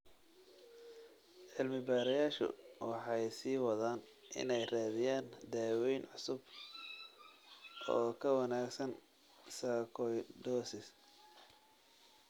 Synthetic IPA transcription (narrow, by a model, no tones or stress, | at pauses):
ʕɪlmɪbaːɾɐjaːʃʊ̰wɑħɑjsiːwɑðaːn | ʔɪ̰nɛjraːðɪjaːnd̪aːwɛjnʕʊsʊb | ɔːkʰɐwɑnaːɡsɐn | saːkʰɔjdɔːsɪs